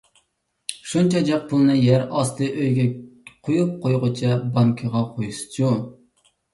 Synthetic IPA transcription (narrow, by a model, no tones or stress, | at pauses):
ʃunt͡ʃʰɑd͡ʒɑq̚pʰʊlˠɨnɨjæɾɑst̪ɨʔøjɡʲɛqʰojup̚qʰojʁʊt͡ʃʰɑbɑmkʲʰəʁɑqʰojusd͡ʒu